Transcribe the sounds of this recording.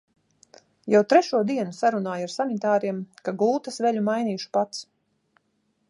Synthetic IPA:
jawt̪ɾɛʃuɔd̪iɛnusaɾunaːjaɾsanit̪aːɾiɛmkaɡˠuːt̪asvɛʎʲumajniːʃu̥pat̪s

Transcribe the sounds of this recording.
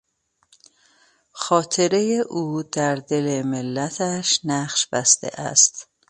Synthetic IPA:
xɒːt̪ʰe̞ɾe̞jeʔuːd̪̥æɾd̪e̞lemelːæt̪ʰæʃnæχʃbæst̪ḛʔæ̰st̪

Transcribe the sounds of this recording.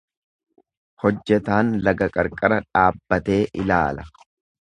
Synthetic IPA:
hɔd͡ʒːɛt̪aːnlɐɡɐkʼɐɾkʼɐɾɐᶑaːbːɐt̪e̞ːʔɪlaːlɐ

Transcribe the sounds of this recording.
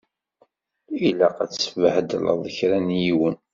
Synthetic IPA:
ilæqæt͡ssəvəhəd̪lə̰ðˤəçɾænjiwən

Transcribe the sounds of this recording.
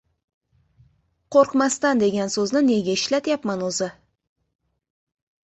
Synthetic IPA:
qʰoɾqmast̪and̪e̞ɡʲansɵznɪne̞ɡʲaɪʃlat̪japmanɵzɪ

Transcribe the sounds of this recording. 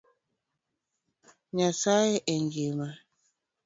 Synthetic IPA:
ɲasajɛʔɛŋɡema

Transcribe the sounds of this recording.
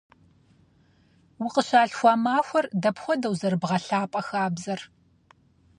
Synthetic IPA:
wʊqəɕaːɬxʷaːmaːxʷɔrdɐpxʷɔdɐwzɐrɨbʁɐɬaːpʼɐxaːbzɐr

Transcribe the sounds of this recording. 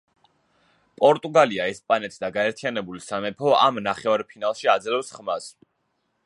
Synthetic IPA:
pʼɔɾt̪ʼuɡaliaɛspʼanɛt̪ʰsd̪aɡaɛɾt̪ʰianɛbulisamɛpʰɔa̰mnaχɛaɾpʰinalˠʃiad̪zlɛpsχmas

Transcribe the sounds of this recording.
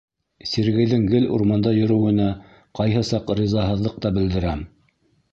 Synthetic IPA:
sʲeɾɡɘ̆jðɘŋɡɘlṵɾmɑnd̪ɑjɵ̆ɾɘ̆wɘ̆næ | qɑjɦɤsɑqɾizɑɦɤ̆ðlˠɤq̚t̪ɑbɘ̆ld̪ɘ̆ɾæm

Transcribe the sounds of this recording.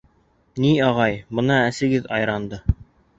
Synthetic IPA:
niɑʁɑjbɤ̆nɑæsɘ̆ɡɘðɑjɾɑnd̪ɤ

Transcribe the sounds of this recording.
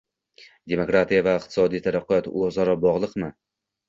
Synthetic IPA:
d̪e̞mokɾat̪ʰijavaɪqt̪ʰɪ̥sɒd̪ijt̪ʰaɾaqʰːɨjɒt̪ozaɾɒbɒʁlˠɨqmɪ

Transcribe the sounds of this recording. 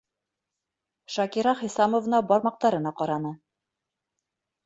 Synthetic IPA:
ʃɑkʲiɾɑχɤ̆jsɑmŏvnɑbɒɾmɑq̚t̪ɑɾɤ̆nɑqɑɾɑnɤ

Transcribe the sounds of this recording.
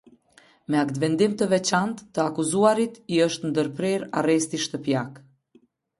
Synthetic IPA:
mɛakt̪vɛnd̪imt̪əvɛt͡ʃant̪ːəakuzuaɾit̪iəʃt̪nd̪əɾpɾɛɾa̰rɛst̪iʃt̪əpjak

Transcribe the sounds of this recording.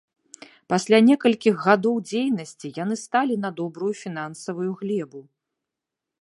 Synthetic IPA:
pasʲlʲanʲɛkɐlʲkʲiɣɣad̪ɔwd͡zʲejnɐsʲt͡sʲijanɨst̪alʲinɐd̪ɔbɾujufʲinansɐvujuɣlʲɛbu

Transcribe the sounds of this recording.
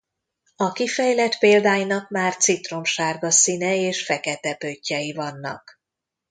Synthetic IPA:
ɒkifɛjlɛt̪peːld̪aːjinɒkmaːrt̪sit̪ro̞mʃaːrɡɒsinɛeːʃfɛkɛt̪ɛpøcːɛjivɒnːɒ̰k

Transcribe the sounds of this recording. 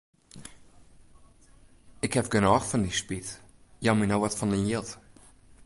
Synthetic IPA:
ɪkhɛpɡənɔːxfɔndispitjaminowʋɔtfɔnənjilˠt

